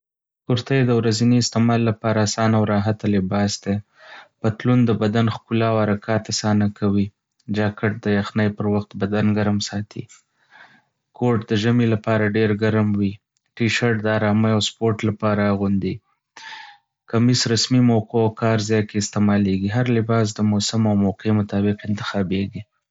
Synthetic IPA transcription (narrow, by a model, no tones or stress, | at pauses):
kuɾt̪ajd̪əwɾaziniɪst̪ɪmɑlːapɑɾaːsɑnawɾɑɦat̪alɪbɑsd̪e | pat̪lund̪əbad̪anxkulawaɾakʰɑt̪asɑnakʰawi | d͡ʒɑkɪʈ̚d̪əjaxnəjpəɾwaxt̪bad̪anɡaɾmsɑt̪ʰḭ | kʰoʈ̚d̪əʒəmilapɑɾaɖeɾɡaɾmwi | ʈiʃaɾʈ̚d̪əɑɾɑməjawspoɾʈlapɑɾaːɣund̪i | kamisɾasmimawqoawkɑɾzɑjkeɪst̪emɑleɡiɦaɾlɪbɑs̬d̪əmosamawmowqʰemʊt̪ɑbɪqɪnt̪ɪ̥xɑbeɡi